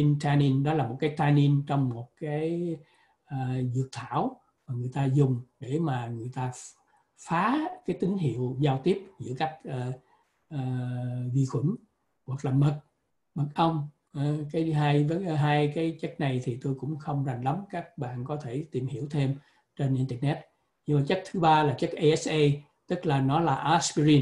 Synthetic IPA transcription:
i˧nt̪ʰaː˧ni˧nɗɔ˨˦laː˨˩mo˨˩t̚kaː˨˦jt̪ʰaː˧ni˧nt͡ɕɔ˧wŋ͡mmo˨˩t̚kaː˨˦j | ʔəː˨˩zɨ˨˩ək̚t̪ʰaː˧˩˨w | maː˨˩ŋɨ˨˩əjt̪aː˧zʊ˨˩ŋ͡mɗe˧˩maː˨˩ŋɨ˨˩əjt̪aː˧ | faː˨˦kaː˨˦jt̪i˨˦ŋɦḭ˧˨əwzaː˧wt̪i˦˥əp̚zɨ̰˧˥əka˦˥jk̟̚ʔəː˨˩ | ʔəː˨˩vḭ˧˩xwḭ˧˩˦n | ɣwa˨˩k̚laː˨˩mə˨˩t̚ | ɓə˨˩t̚ʔə˧wŋ͡m | kaː˨˦jɦaː˧jvə˨˦ɦaː˧jkaː˨˦jt͡ɕa˦˥jk̟̚na˨˩jt̪ʰi˨˩t̪o˧jkʊ̰˧˥ŋ͡mxə˧wŋ͡mza˨˩jŋ̟la˨˦mkaː˦˥k̚ɓa̰ː˧˨nkɔ˨˦t̪ʰe˧˩t̪i˨˩mhi˧˩əwt̪ʰe˧m | t͡ɕe˧nʔi˧nt̪ɛ˧˨˩nɛ˦˥t̚ | ɲɨ˧maː˨˩t͡ɕa˦˥k̟̚t̪ʰɨ˨˦ɓaː˧laː˨˩t͡ɕa˦˥k̚ʔə˧ɛ˦˥sʔe˧ | t̪ɨ˦˥k̚laː˨˩nɔ˨˦laː˨˩ʔa˨˦skzi˧n

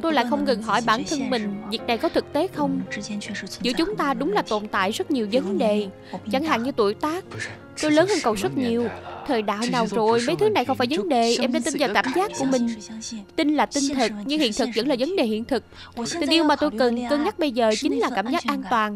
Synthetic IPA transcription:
t̪o˧jla̰ː˧˨jxə˧wŋ͡mŋɨ˨˩ŋɦɔ̰˧˩jɓaː˧˩nt̪ʰə˧nmï˨˩ŋ̟vi˨˩ək̚na˨˩jkɔ˨˦t̪ʰɨ˨˩k̚t̪e˨˦xə˧wŋ͡m | zɨ̰˧˥ət͡ɕʊ˨˦ŋ͡mt̪aː˧ɗʊ˨˦ŋ͡mlaː˨˩t̪o̰˧˨nt̪a̰ː˧˨jzə˦˥t̚ɲi˨˩əwzə˨˦ɗe˨˩ | t͡ɕa˧˩ŋɦa̰ː˧˨ŋɲɨ˧t̪ṵ˧˩jt̪aː˦˥k̚ | t̪o˧jləː˨˦nhəː˧nkə˨˩wzə˦˥t̚ɲi˨˩əwt̪ʰəː˨˩jɗa̰ː˧˨jnaː˨˩wzo˨˩jmə˨˦jt̪ʰɨ˨˦na˨˩jxə˧wŋ͡mfaː˧˩jvə˨˦nɗe˨˩ʔɛ˧mɗaː˧˦t̪i˧nzaː˨˩wkaː˧˩mzaː˦˥k̚ku˧˩əmï˨˩ŋ̟t̪i˧nlaː˨˩t̪ï˧ŋt̪ʰɨ˨˩k̚ɲɨ˧ŋhḭ˧˨nt̪ʰɨ˨˩k̚zə̰˧˥ŋlaː˨˩və˨˦nɗe˨˩hḭ˧˨ənt̪ʰɨ˨˩k̚ | tt̪i˨˩nʔi˧əwmaː˨˩t̪o˧jkə˨˩nkɨ˧əŋɲa˦˥t̚ɓə˧jzəː˨˩t͡ɕï˨˦ŋ̟laː˨˩kaː˧˩mzaː˦˥k̚ʔaː˧nt̪waː˨˩n

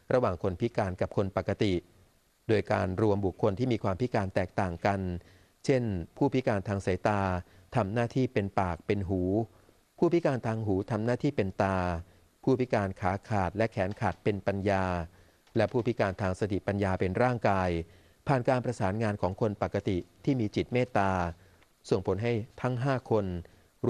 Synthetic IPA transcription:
ɾa˧waː˨˩ŋkʰo˧npʰi˦˥kaː˧nka˨˩p̚kʰo˧npa˨˩kːa˧t̪i˨˩ | doː˧jkaː˧nɾu˧əmbu˨˩kʰːo˧nt̪ʰiː˥˩miː˧kʰwaː˧mpʰi˦˥kaː˧nt̪ɛː˨˩k̚t̪aː˨˩ŋka˧n | t͡ɕʰe˥˩npʰuː˥˩pi˦˥kaː˧nt̪ʰaː˧ŋsa˩˦jt̪aː˧ | t̪ʰa˧mnaː˥˩t̪ʰiː˥˩pe˧npaː˨˩k̚pe˧nɦuː˩˦ | pʰuː˥˩pi˦˥kaː˧nt̪ʰaː˧ŋɦuː˩˦t̪ʰa˧mnaː˥˩t̪ʰiː˥˩pe˧nt̪aː˧ | pʰuː˥˩pi˦˥kaː˧nkʰaː˩˦kʰaː˨˩t̪̚lɛ˦˥kʰɛː˩˦nkʰaː˨˩t̪̚pe˧npa˧njaː˧ | lɛ˦˥pʰuː˥˩pʰi˦˥kaː˧nt̪ʰaː˧ŋsa˧t̪ʰi˨˩pa˧njaː˧pe˧nɾaː˥˩ŋkaː˧j | pʰaː˨˩nkaː˧npɾa˧saː˩˦nŋaː˧nkʰɔː˩˦ŋkʰo˧npa˨˩kːa˧t̪i˨˩t̪ʰiː˥˩miː˧t͡ɕi˨˩t̪̚meː˥˩t̪ːaː˧ | so˨˩ŋpʰo˩˦nɦa˥˩jt̪ʰa˦˥ŋɦaː˥˩kʰo˧n

